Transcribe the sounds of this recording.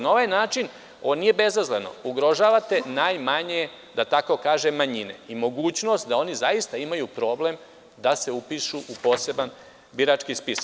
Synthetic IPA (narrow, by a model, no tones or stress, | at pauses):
nao̞ʋajnaːt͡ʃin | onije̞be̞zazleno̞̰uɡɾo̞ʒaːʋat̪e̞najmaɲe | d̪at̪ako̞kaːʒemːaɲine̞̰imo̞ɡuːt͡ɕno̞st̪̚d̪ao̞nizajist̪aimajupɾo̞ːble̞m | d̪ase̞upiʃuʔupo̞ːse̞ban | biɾat͡ʃkispisḁk